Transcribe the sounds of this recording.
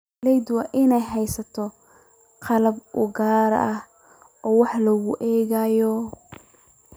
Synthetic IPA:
lɛjd̪wɐʔɪnɛjɦɛjsɐt̪ʰɔ | qɑlɐbʔʊɡaːɾ̰ɐh | ʔɔːwɑħlɐɣʊʔɛːɣajɔ

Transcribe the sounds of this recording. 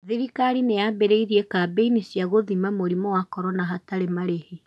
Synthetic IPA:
ðiɾikaɾinejabeɾeiɾiekabeinisjaɣoðimamoɾimɔwakɔɾɔnaɦataɾemaɾehe

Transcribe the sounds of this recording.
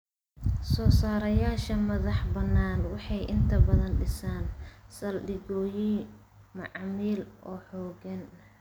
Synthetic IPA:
sɔːsaːɾɐjaːʃɐmɐðɑħbɐnːaːnwɑħɑjʔɪnt̪ʰɐbɐðɐnɖɪsaːnsɐlɗɪɣɔːji | mɑʕɑmiːlʔɔːħɔːɣɐn

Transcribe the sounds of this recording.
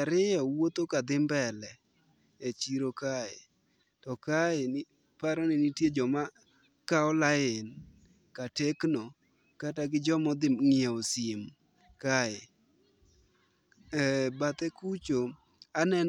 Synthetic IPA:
aɾɪjɔwot̪okad̪ɪmbɛlɛ | et͡ʃiɾokaɪ̰ | tɔkaɪ | paɾɔnɪnitjed͡ʒɔma | kaɔlaɪn | katekno | kataɡɪd͡ʒɔmɔd̪ɪmŋɪeosɪm | kaɪ | bat̪ɛkut͡ʃo | anɛn

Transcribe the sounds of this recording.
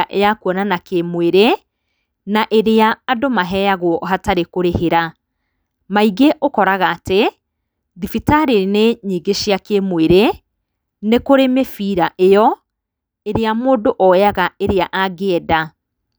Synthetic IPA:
aʔḛjakwɔnanakemweɾe | naʔeɾeaːdomaɦɛjaɣwɔɦataɾekoɾeheɾa | maiɡeʔokɔɾaɣaːte | ðifitaɾeneɲiːɡeʃiakemweɾe | nekoɾemefiɾaʔejɔ | eɾeamoːdoʔɔjaɣaeɾeaʔaɡeɛda

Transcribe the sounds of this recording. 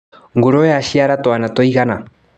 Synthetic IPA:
ŋɡuɾɔjaʃiaɾatwanatɔiɣana

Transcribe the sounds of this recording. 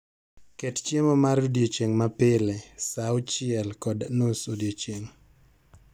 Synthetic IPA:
kett͡ʃjemɔmaɾodjot͡ʃeŋmapɪlesawt͡ʃɪɛlkɔdanosodiot͡ʃeŋ

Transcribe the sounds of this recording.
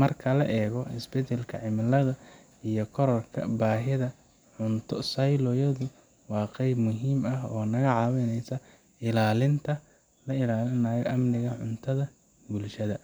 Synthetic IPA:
mɐrkʰɐlɐ̰ʔɛːɣɔɪsbɛtɛlkʰɐʕɪmɪlɐðɐ | ijɔkʰɔɾɔrkʰɐ̰baːɦɪðɐ | ʕʊnt̪ʰɔsɐjlɔːjɐðʊ | wɑːqɛjbmʊɦiːmɐɦɔːnɐɣɐʕɑːwɛnɛjsɐ | ɪlaːlɪnt̪ʰɐ | lɐɪlaːlɪnaːjɔʔɐmnɪɣɐʕʊnt̪ʰɐðɐ | bulʃɐðɐ

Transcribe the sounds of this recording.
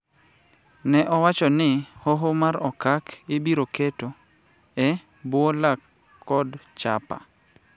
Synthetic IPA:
nɛʔɔwat͡ʃɔnɪhoɦomaɾɔkakɪbiɾoketo | ɛ | bwolakʰː | ɔdt͡ʃa̰pa̰

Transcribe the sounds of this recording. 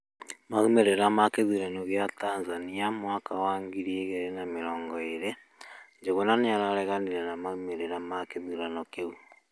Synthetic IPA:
maɣumeɾeɾamakeðuɾanɔɣjatanzaniamwakawaːŋɡiɾieɣeɾenameɾɔːŋɡɔeɾe | ɲd͡ʒeɣonaneaɾaɾɛɣaniɾɛnamaɣumeɾeɾamakeðuɾanɔkeu

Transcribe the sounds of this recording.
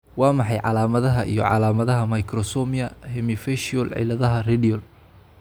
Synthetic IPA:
wɑːmɑħɑjʕɑ̰laːmɐðɐɦɐʔḭjɔ̰ʕɑ̰laːmɐðɐɦɐmɐjkʰrɔsɔmijɐhɛmɪfɛʃiɔlʕɪ̰lɐðɐɦɐrɛdiɔl

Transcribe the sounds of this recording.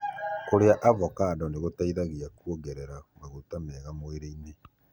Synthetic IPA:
koɾeaʔavɔkaːdɔneɣotaiðaɣeakwoɡɛɾɛɾamaɣotamɛːɣamoeɾeine

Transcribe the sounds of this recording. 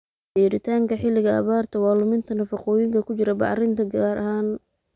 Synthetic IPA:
iːɾɪt̪ʰaːŋkʰɐħɪlɪɣɐɐ̰βaːrt̪ʰɐwɑːlʊmɪnt̪ʰɐnɐfɑqɔːjɪŋkʰɐkʰʊt͡ʃɪɾɐbɑ̰ʕɾɪnt̪ʰɐɡaːɾʔɐɦaːn

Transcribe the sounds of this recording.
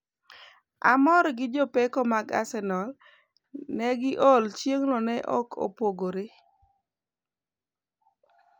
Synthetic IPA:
a̰mɔɾɡɪd͡ʒopekɔmaɡa̰sɛnɔl | nɛɡɪʔolt͡ʃjeŋlɔnɛʔɔ̰kʰo̰poɡoɾe

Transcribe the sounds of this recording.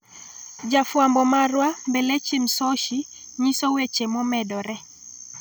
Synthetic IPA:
d͡ʒafwambɔmarwambelet͡ʃimsɔʃi | ɲisowet͡ʃemɔmɛdɔɾɛ

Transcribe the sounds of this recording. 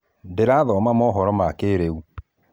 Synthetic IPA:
ndeɾaðɔmamɔɦɔɾɔmakeɾeu

